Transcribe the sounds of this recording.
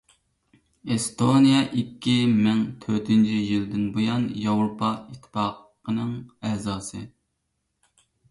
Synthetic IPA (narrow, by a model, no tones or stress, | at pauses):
est̪ʰonijɛʔikʲʰːimɛŋt̪ʰøɾt̪ʰynt͡ʃʰijild̪ɪnbojɑnjɑwɾopʰɑit̪ʰːɪ̥pɑq | ənɨŋɛzɑːsɨ